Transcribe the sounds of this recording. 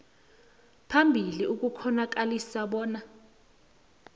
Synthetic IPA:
pʰambʱiliuk̬ukʰɔnak̬alisaɓɔːna

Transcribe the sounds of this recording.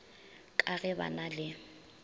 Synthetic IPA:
kʼaɣɛba̰nalɪ

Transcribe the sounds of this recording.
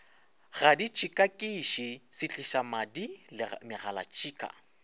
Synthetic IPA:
ɣadit͡ʃʰikʼakʼiʃisɪt͡ɬʼɪʃamadilɪmɪɣala̰t͡ʃʰiːkʼa̰

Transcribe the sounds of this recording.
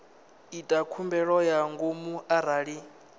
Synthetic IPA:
itʼakʰumbɛɺɔjaŋɡomuʔaɾaːɺi

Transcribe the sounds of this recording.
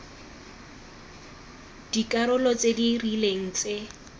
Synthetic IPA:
d̥ikʼaɾʊlɔt͡sʼedirileŋ̩t͡sʼe

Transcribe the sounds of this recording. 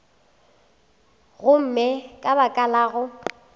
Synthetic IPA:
ɣʊm̩mɪkʼabakʼalaːɣʊ

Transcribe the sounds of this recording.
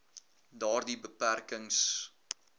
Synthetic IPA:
dɑːrdibəpærkəŋs

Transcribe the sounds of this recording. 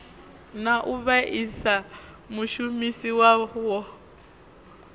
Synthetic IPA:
naʔuβaʔisa | muʃumisiwawɔ

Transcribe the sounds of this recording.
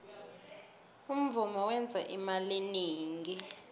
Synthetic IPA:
um̩vumɔwɛnd͡zʱaʔimaliniːŋɡi

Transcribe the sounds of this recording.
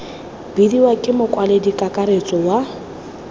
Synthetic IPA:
bidiwakʼɪmʊkʼwaledikʼakʼaɾet͡sʼɔwa

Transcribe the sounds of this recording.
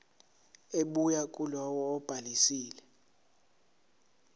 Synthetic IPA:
eɓujakʼulɔwɔːb̥ʱalisiːlɛ

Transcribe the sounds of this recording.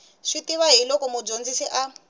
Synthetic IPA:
ʂitiβaɦilɔkɔmud͡ʒond͡zisiʔa

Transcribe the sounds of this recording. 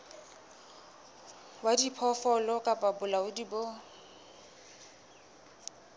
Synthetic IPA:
wadipʰɔfɔlɔkʼapʼabʊlaʊdibo

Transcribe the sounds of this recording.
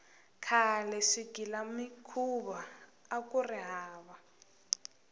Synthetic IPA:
kʰalɛʂiɡ̥ʱilamikʰuβa | akʼuriɦaːβa

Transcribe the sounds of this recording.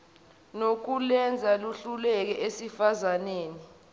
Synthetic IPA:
nok̬ulɛnd͡zʱaluɬulɛk̬ɛʔesifazaneːni

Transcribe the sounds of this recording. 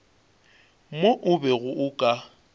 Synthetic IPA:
moʔʊbɛɣʊʔʊkʼa

